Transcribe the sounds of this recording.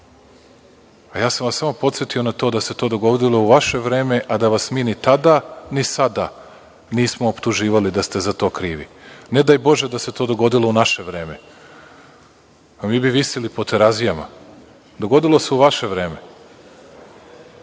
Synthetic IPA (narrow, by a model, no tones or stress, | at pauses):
ajaːsamʋasamo̞po̞t̪sjet̪ionat̪o̞ːd̪ase̞t̪o̞ːd̪o̞ɡo̞d̪ilˠo̞uʋaʃe̞ʋɾe̞ːme̞ʔad̪aʋasmiːnit̪ad̪anisad̪a | niːsmo̞ːpt̪uʒiːʋalid̪ast̪e̞zat̪o̞ːkɾiːʋḭned̪aːjbo̞ʒed̪aset̪ʰoːd̪o̞ɡo̞d̪ilˠo̞unaʃe̞ʋɾe̞ːme̞ | amiːbiʋisilipo̞t̪eɾazijama̰ | d̪o̞ɡo̞d̪ilˠo̞se̞uʋaʃe̞ʋɾe̞ːme̞